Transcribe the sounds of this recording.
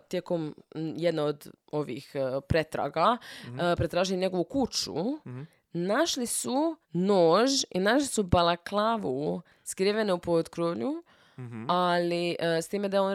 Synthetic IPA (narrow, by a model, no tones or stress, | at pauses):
t̪jeko̞mjed̪naod̪o̞ʋḭːxpɾet̪ɾa̰ːɡapɾe̞t̪ɾaːʒiliɲe̞ɡo̞ʋukut͡ʃṵ | naʃlisunoːʒinaʃlisubalˠaklˠaʋu | skɾiʋeneupod̪kɾoʋʎu | aliʔst̪iːme̞d̪aeon